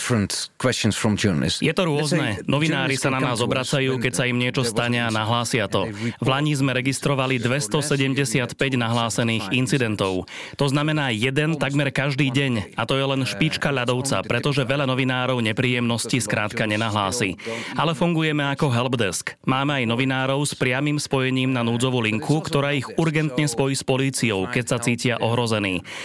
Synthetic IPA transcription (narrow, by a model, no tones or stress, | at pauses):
fɹə̃ntkʰw̥ɛst͡ʃə̃nsfɹɔ̃mtʰɔːn̰lɪ̰sjɛt̪ɔɾʊɔznɛnɔʋinaːɾisananaːzɔbɾat͡sajuːkɛcsaimɲɪɛt͡ʃɔst̪aɲɪaːnaɦlaːsɪat̪ɔvlaɲizmɛɾɛɡist̪ɾɔʋalid̪ʋɛst̪ɔsɛɟɛmɟɛsɪat̪pɛɟnaɦlaːsɛniːɣint͡sid̪ɛnt̪ɔʊ | t̪ɔznamɛnaːjɛd̪ɛnt̪aɡmɛɾkaʒd̪iːɟɛɲat̪ɔjɛlɛnʃpit͡ʃkaʎad̪ɔʊt͡sa̰pɾɛt̪ɔʒɛʋɛʎanɔʋinaːɾɔʊɲɛpɾiːjɛmnɔsciskɾaːt̪kaɲɛnaɦlaːsḭːalɛfuŋɡujɛmɛakɔɦɛlbd̪ɛskmaːmɛajnɔʋinaːɾɔʊspɾɪamiːmspɔjɛɲiːmnanuːd͡zɔʋuliŋkʰukt̪ɔɾaːiɣuɾɡɛnt̪ɲɛspɔjiːspɔliːt͡sijɔʊkɛcsat͡siːcɪaʔɔɦɾɔzɛniː